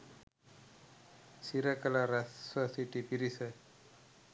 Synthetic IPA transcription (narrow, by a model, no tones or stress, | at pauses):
siɾəkəlaɾɛswəsiʈipiɾisə